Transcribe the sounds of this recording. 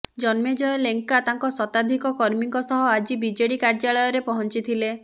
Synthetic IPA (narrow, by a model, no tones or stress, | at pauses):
d͡ʒɔnmed͡ʒɔjɔleŋkat̪aŋkɔsɔt̪ad̪ʱikɔkɔɾmiŋkɔsɔɦɔad͡ʒibid͡ʒeɽikaɾd͡ʒaɭɔjɔɾepɔɦɔnt͡ʃit̪ʰile